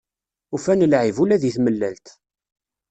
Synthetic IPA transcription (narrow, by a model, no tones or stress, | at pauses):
ufænəlʕivulæðiθməlːælt̪